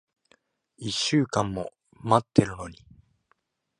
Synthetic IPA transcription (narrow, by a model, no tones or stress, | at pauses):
iɕːɨːkãmːo̞̰ | mat̪ːe̞ɾɯ̟no̞ɲ̟i